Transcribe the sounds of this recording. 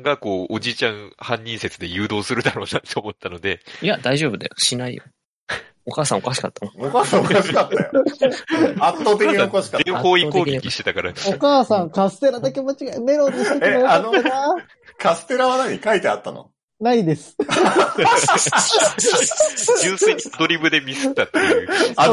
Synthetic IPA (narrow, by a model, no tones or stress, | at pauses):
ɡako̞ːod͡ʑit͡ɕãɰ̃hãɲ̟ːĩɰse̞t͡sɨd̪e̞jɯ̟ːd̪o̞ːsɨɾɯ̟d̪aɾo̞ːnat̪ːeomo̞t̪ːano̞d̪e̞jad̪aiʑo̞ːbɯ̟d̪a̰joɕinaḭjo̰ | okaːsão̰kaɕi̥ka̰t̪ːanookaːsãokaɕi̥kat̪ːajo | at̪ːot̪̬ekiɲokaɕi̥kadẽho̞ːitkoeːɡkiekʲiɕi̥t̪et̪akaɾa̰okaːsãŋkasɨ̥t̪e̞ɾad̪akemat͡ɕiɡane̞ɾoneeeano | kasɨ̥t̪e̞ɾaβanaɲ̟ikait̪eat̪ːano̰ | naid̪esɨ̥ | jɯːseɲʲid̪oɾʲibɯ̟d̪e̞mʲisɨt̪ːat̪ːeɯ̟a